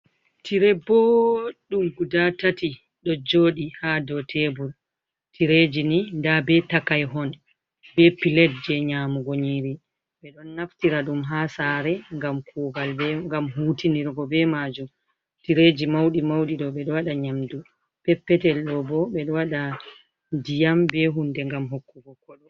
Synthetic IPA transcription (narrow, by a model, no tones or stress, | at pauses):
tiɾɛbɔɗumɡudatati | ɗɔd͡ʒoːɗihadɔtʰɛbul | tʰiɾed͡ʒinindabɛtakajɦɔn | bɛpilɛt̚d͡ʒɛɲamuɡoɲiɾi | ɓɛɗɔnːaftiɾaɗumɦaːsaɾɛŋɡamkʰuːɡalbɛŋɡamɦutiniɾɡɔbɛmad͡ʒum | tiɾed͡ʒimawɗimawɗiɗɔɓɛɗɔwaɗaɲamdu | pɛpːɛtɛlɗɔbɔɓɛɗɔwaɗa | dijambɛɦundɛŋɡamɦokːuɡɔkɔɗɔ